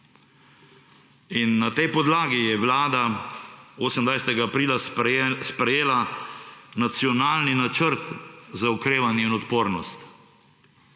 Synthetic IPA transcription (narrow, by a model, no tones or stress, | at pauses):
inːat̪ɛjpɔd̪laːɡijɛʋlaːd̪a | oːsəmnd̪ʋajsɛt̪ɛɡaːpɾiːlaspɾɛjeːla | nat̪siɔnaːlninat͡ʃəɾt̪zaukɾeːʋanjɛinɔt̪poːɾnɔst̪